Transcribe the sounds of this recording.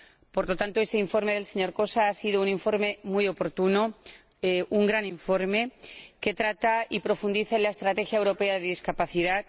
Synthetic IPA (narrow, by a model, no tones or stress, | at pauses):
po̞ɾlot̪ant̪oe̞st̪eiɱfo̞ɾmeð̞e̞lse̞ɲo̞ɾko̞saasiðouniɱfo̞ɾme̞mujo̞po̞ɾt̪uno | ʔuŋɡɾaniɱfo̞ɾme̞ke̞t̪ɾat̪aipɾo̞fund̪iθaenlae̞st̪ɾat̪e̞xjaewɾo̞pe̞aðeðiskapaθiðat̪